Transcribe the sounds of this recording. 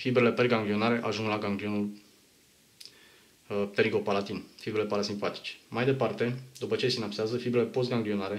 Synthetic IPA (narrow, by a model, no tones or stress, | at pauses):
fibɾele̞perɡaŋɡlio̞naɾe̞ʔaʒuŋɡlaɡaŋɡlio̞nul | t̪eɾiɡopalat̪infibɾele̞palasimpat̪i̥t͡ʃe̥majd̪e̞part̪e̞d̪upət͡ʃe̞sinapseazəfibɾele̞po̞s̬t̪ɡaŋɡlio̞naɾe̞